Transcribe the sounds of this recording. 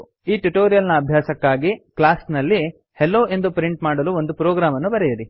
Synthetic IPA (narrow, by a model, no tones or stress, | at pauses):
iːʈuʈoːɾijɐlnɐːbʱjaːsɐkːaːɡiklaːsnɐlːi | helːoːe̞nd̪upɾiɳʈmaːɽɐluːo̞nd̪upɾoːɡɾaːmɐnːubɐɾɛjɐɾi